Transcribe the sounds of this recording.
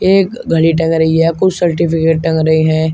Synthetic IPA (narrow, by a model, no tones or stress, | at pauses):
eːkɡʱɐliʈ̬ɐ̃ŋɡɾɐɦiɦɛkʊt͡ʃsɐɾʈɪpɪkeːʈ̚ʈɐ̃ŋɡɾɐɦiɦɛ̃ː